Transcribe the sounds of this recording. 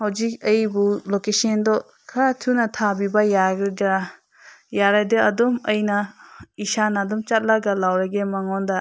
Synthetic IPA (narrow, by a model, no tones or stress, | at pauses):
hawd͡ʒik̚əjbulokesend̪ɔ | kʰatʰunat̪ʰabibajaɡɯda | jaɾajd̪ɯɐd̪ɔməjnaisanad̪ɔmt͡ʃat̚laɡalawɾaɡemaŋɔnd̪a